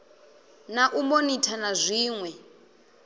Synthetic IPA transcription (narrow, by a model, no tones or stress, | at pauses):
naʔumonitʰanazʷiːŋwɛ